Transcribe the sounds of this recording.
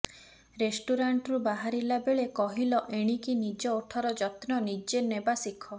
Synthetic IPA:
ɾesʈuɾaɳʈɾubaɦaɾilabeɭekɔɦilɔʔeɽ̃ikinid͡ʒɔoʈʰɔɾɔd͡ʒɔt̪nɔnid͡ʒenebasikʰːɔ

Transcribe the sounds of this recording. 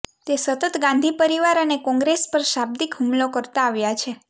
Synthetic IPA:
t̪esət̪ət̪ɡãnd̪ʱipəɾiʋaɾənekɔ̃ŋɡɾespəɾʃab̚d̪ikɦumlokəɾt̪aːʋjat͡ʃʰe

